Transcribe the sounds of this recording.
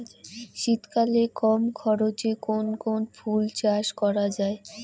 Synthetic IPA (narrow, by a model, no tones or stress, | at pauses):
ʃit̪kalekɔmkʰɔɾot͡ɕekonkonfult͡ɕaʃkɔɾad͡ʑae